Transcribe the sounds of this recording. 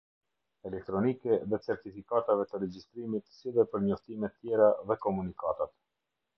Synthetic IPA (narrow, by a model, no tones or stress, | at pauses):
ɛlɛk̚t̪ɾɔnikɛðɛt͡sɛɾt̪ifikat̪avɛt̪əɾɛd͡ʑist̪ɾimit̪siðɛpəɾɲɔft̪imɛt̪ːjɛɾaðɛkɔmunikat̪at̪